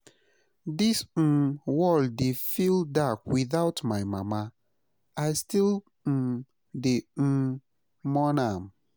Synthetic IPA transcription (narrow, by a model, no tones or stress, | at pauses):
dis̩wɔldefildakwiθaʊtmaɪmama | aɪstil̩ | de | mɔnam